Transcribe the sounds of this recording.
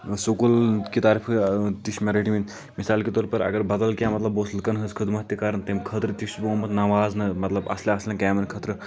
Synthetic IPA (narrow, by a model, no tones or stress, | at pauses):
soːkulkit̪aːɾipʰt̪iʃmeɾiʈiment̪ | misaːlket̪ɔːɾpɐɾɐ̰ɡɐɾbɐd̪əlkjaːmɐt̪lɐboːslkɐnɦəskʰəd̪mɐt̪ːikaːɾɐnt̪emkʰət̪ɾt̪iʃboːmɐt̪nɐʋaːznɐmɐt̪lɐbɐ̰sleɐslenkaːmɐnkʰɐt̪ɾ